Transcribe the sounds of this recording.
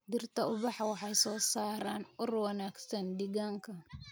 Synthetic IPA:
d̪ɪrt̪ʰɐʊβɑħwɑħɑjsɔːsaːɾaːnʊrwɐnaːɡsɐnd̪ɪɣaːŋkʰɐ

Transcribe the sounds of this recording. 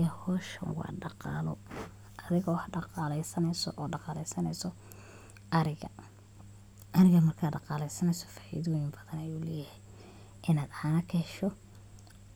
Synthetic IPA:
ɐhɔːʃɐ̰wɑ̰ːɖɑqɑːlɔ̰ | ʔɐðɪɣɔwħɖɑqɑːlɛjsɐnɛjsɔ̰ʔɔːɖɑqɑːlɛjsɐnɛjsɔ | ʔɐɾɪɣɐ | ʔɐɾɪɣɐmɐrkʰaːɖɑqɑːlɛjsɐnɛjsɔ̥faːʔɪ̰ðɔːjɪmbɐðɐnɐjuːlɛːjɪhɛj | ʔɪnaːd̪ʕaːnɐkʰɐʃɔ

